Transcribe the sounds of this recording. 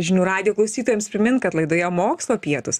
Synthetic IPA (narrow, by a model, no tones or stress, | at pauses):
ʒʲɪnʲuːɾɑːd̪ʲɪjoːklˠɐʊsʲiːt̪oːjɛmspʲɾʲɪmʲɪnkɐt̪lˠɐɪd̪oːjɛmoːkslˠoːpʲiɛt̪ʊs